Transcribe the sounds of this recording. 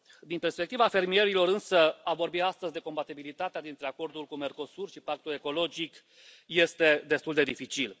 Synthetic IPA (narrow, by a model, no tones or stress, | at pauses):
d̪inpe̞rspe̞k̚t̪ivafe̞rmie̞ɾilo̞ɾɨnsəavo̞rbiast̪əzʲd̪e̞ko̞mbat̪ibilit̪at̪ead̪int̪ɾe̞ako̞rd̪ulkume̞rko̞surʃipak̚t̪ule̞ko̞lo̞d͡ʒik | je̞st̪e̞d̪e̞st̪uld̪e̞d̪ifit͡ʃil